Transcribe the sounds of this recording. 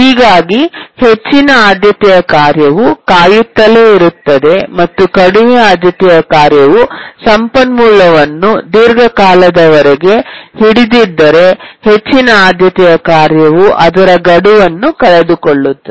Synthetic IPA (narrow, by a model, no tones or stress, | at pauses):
ɦiːɡaːɡihe̞t͡ʃːinɐaːd̪jɐt̪ɛjɐkaːɾjɐʋukaːjut̪ːɐleiɾut̪ːɐd̪e̞mɐt̪ːukɐɽiʋiaːd̪jɐt̪ɛjɐkaːɾjɐʋusɐmpɐnmuːɭːɐʋɐnːud̪iɾɡʱɐkaːlɐd̪ɐʋɐɾeɡe̞hiɽid̪id̪ːɐɾe̞he̞t͡ʃːinɐaːd̪jɐt̪ɛjɐkaːɾjɐʋuʔɐd̪ɐɾɐɡɐɽuʋɐnːukɐɭed̪ukoɭːut̪ːɐ